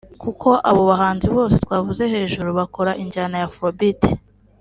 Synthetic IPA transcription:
kuko̞ʔaβo̞βaɦaːnziβo̞ːse̞t̪waːvuze̞he̞ːʒuɾuβako̞ɾaʔiɲd͡ʒanajafobite

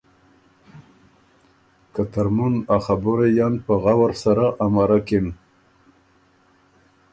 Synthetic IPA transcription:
kat̪aɾmunaχabʊɾejanpəɣawaɾsaɾaʔamaɾakin

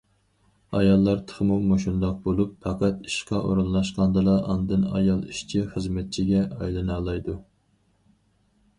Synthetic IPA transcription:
ɑjɑlˠːɑɾt̪ʰə̥χmuwmoʃund̪ɑq̚bolˠupfɑqʰæt̪i̥ʃqɑʔo̰ɾunlˠɑʃqɑnd̪ɨlˠɑʔɑnd̪ɨnɑjɑlˠiʃt͡ʃʰiχəzmɛt̪̚t͡ʃʰiɡʲɛɑjlˠɨnɑːlˠɑjd̪u

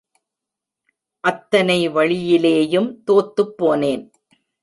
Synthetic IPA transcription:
ʔɐt̪ːɐnɐɪʋɐɻɪjɪleːjɯmt̪oːt̪ːɯpːoːneːn

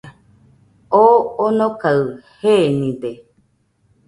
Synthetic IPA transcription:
oonõkaɯhenĩd̪e

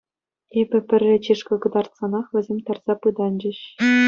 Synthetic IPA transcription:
ebʲɘ̆pʲɘ̆rʲːĕt͡ɕiʂkɤ̆kɤ̆d̪ɑrt̪sɑnɑχʋʲɘ̆zʲemʲt̪ɑrz̥ɑpɯd̪ɑnd͡ʑɘ̆ɕ

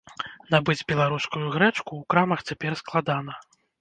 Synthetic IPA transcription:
nabɨd͡zʲbʲɛlˠaɾuskujuɣɾɛt͡ʂkuːkɾamɐxt͡sʲapʲɛrsklˠad̪anɐ

